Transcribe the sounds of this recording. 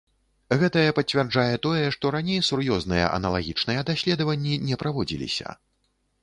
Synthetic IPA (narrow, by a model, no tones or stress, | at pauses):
ɣɛt̪ɐjɛpɐt͡sʲvʲɛrd͡ʐajɛt̪ɔjɛʂt̪ɔɾanʲejsurjɔznɨjɛ̰ʔɐ̰nɐlˠa̰ɣʲit͡ʂnɨjɛd̪asʲlʲɛd̪ɐvɐnʲːinʲɛpɾavɔd͡zʲḭlʲḭsʲɐ̰